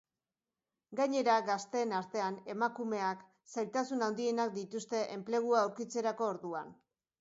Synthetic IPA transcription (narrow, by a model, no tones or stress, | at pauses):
ɡaɲe̞ɾaɡast̪e̞ːnaɾt̪e̞ane̞makume̞ak | sajlt̪asunawnd̪ie̞nak̚d̪it̪ust̪e̞ʔemple̞ɣ̞uaawɾkit͡se̞ɾako̞ːɾðua̰n